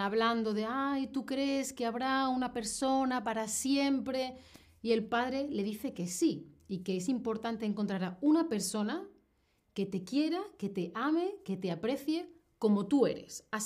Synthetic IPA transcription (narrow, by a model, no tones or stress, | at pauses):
aβland̪o̞ðe̞ajt̪ukɾe̞ske̞aβɾaunape̞ɾso̞napaɾasje̞mpɾe̞ | ie̞lpaðɾe̞le̞ð̞iθe̞ke̞siike̞esimpo̞ɾt̪ant̪eŋkont̪ɾaɾaunape̞ɾso̞na | ke̞t̪e̞kje̞ɾake̞t̪e̞ʔame̞ke̞t̪eapɾe̞θje̞ | ko̞mo̞t̪ue̞̰ɾe̞̰sa